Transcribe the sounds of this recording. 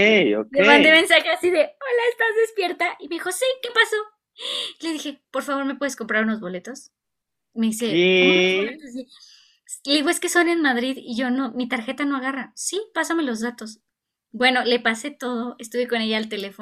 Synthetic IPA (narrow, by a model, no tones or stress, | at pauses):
eokd̪emãnd̪eme̞nsaxeasiðe̞olaest̪azðe̞spje̞ɾt̪aʔimeixo̞sike̞paso̞ | ile̞ðixe̞po̞ɾfaβo̞ɾme̞pwe̞ðesko̞mpɾaɾuno̞zβo̞le̞t̪o̞s | me̞ðise̞olet̪osi | sleɣwoeskesonenmaðɾiðiʝo̞no̞mit̪aɾxe̞t̪ano̞aɣarasipasame̞lo̞zðat̪o̞s | bwe̞no̞le̞pase̞t̪o̞ð̞o̞est̪uβeko̞ne̞ʝaːlt̪e̞le̞fo